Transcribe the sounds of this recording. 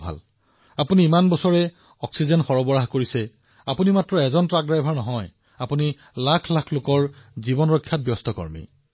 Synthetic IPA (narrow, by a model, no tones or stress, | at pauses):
bʱa̰l | apuniːmanbɔsɔɹɛ | ɔksizɛnxɔɹɔbɔɹaɦkoɹisɛ | apunimatɹɔɛzɔntɹak̚dɹajbʱaɹnɔɦɔj | apuni | lakʰlakʰlokɔɹzibɔnɹɔkʰːjat̚bjɔstɔkɔ̰ɹmḭ